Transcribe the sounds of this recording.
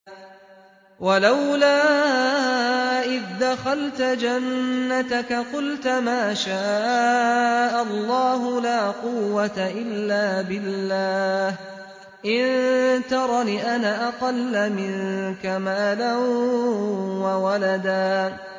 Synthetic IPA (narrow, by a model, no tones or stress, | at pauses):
walawlaː | ʔɪðd̪axalt̪ad͡ʒanːat̪akaqʊlt̪maːʃaːʔ | ʔalˤːɑːɦʊlaːqʊwːat̪aʔɪlːaːbɪlːaːh | ʔɪnt̪ɑɾˤɑniʔanaʔaqɑlːamɪŋnkamaːlan | wawalad̪aː